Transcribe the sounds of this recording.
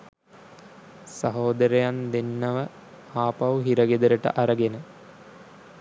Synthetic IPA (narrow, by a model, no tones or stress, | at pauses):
sɐɦoːd̪ɐɾɐjand̪enːɐʋɐ | aːpɐwɦiɾɐɡed̪ɐɾəʈə̰ʔɐɾɐɡenə